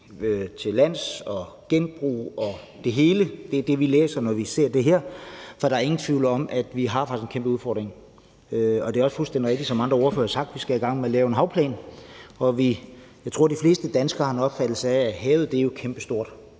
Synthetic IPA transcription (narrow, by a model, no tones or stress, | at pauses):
øt͡sʰe̝læn̰sɒ̽ | ɡ̥enb̥ʁṵːɒ̽ | d̥e̝ɦe̝ːləd̥e̝d̥e̝ʋilḛːsɐnɒʋise̝ɐ̰d̥e̝ɦeɐ̰fɒ̽ɾ̥ɑ̈æɐe̝ŋn̩t͡sʰʋiʊ̰ləɒ̽mʔæd̥ʋiɦɑ̈fɑ̈ɡ̥isenkʰembəuðˠfɒ̰ːd̥ʁeŋ | øɒ̽d̥e̝æɒ̽sfulsd̥en̰diʁeɡ̥̚di̥sɒ̽mɑnd̥ʁɐoɐfø̰ɐhɑsɑ̈ɡ̥̚d̥ʋisɡ̥ææiɡ̥ɑ̈ŋ̰melɛːʊenɦɑ̈ʊpʰlɛ̰ːnɒ̽ʋi | jɑ̈ɪt͡sʰʁo̝ɐ̰d̥ifle̝ːsd̥əd̥ænsɡ̥ɐːhɑnɒ̽b̥fæd̥l̩ˠsɑææɦɛːð̩ˠd̥e̝æjo̝kʰemb̥əsd̥o̝ɐ̰d̥